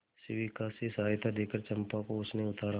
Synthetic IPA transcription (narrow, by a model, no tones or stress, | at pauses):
sɪʋikasisaːjt̪ʰad̪eːkəɾt͡ʃɐmpakoʊsneʊt̪aːɾa